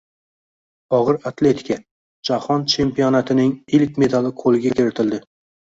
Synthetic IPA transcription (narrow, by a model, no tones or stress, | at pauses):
ɒʁɨɾat̪ʰle̞t̪ʰɪ̥kʲʰa | d͡ʒahɒnt͡ʃʰe̞mpijɒnat̪ʰɪnɪŋɪlkʲme̞d̪alɪqʰolˠɪɡʲakʲʰɪɾɪt̪ʰɪld̪ɪ